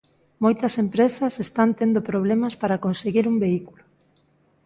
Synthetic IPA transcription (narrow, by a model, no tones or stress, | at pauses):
mojt̪ɐsempɾesɐsest̪ant̪end̪opɾoβ̞lemɐspaɾɐkonseɣiɾumbeikulʊ